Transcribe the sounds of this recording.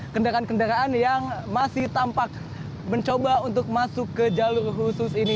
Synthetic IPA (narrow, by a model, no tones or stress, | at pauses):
kəndaɾaankəndaɾaanjaŋmasɪht̪ampak̚ | bəɲt͡ʃobaunt̪̬ʊk̚masʊkːəd͡ʒalʊrɦusʊsini